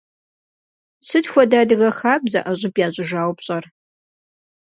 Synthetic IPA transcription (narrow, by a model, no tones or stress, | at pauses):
sɨdxʷɔdaːdɨɣɐxaːbzɐʔɐɕʼɪbjaːʑʼʊʒaːwpɕʼɐr